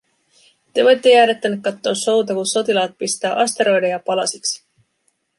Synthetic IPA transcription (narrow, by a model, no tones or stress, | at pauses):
t̪e̞ʋo̞jt̪ːe̞jæːɾet̪ːænekkːɑt̪ːo̞ːso̞wt̪ɑkunso̞t̪ilɑːt̪̚pist̪æːʔɑst̪e̞ɾo̞jdejɑpɑlɑsiksi̥